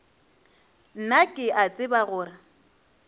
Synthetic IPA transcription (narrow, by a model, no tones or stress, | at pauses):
n̩nakʼɪʔat͡sʼɪbaɣʊːra